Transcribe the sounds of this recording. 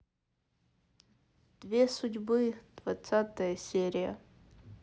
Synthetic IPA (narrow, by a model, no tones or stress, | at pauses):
d̥vʲe̞suɟʲbɨd̥vat͡sat̪ɐjɐsʲeɾʲijɐ̰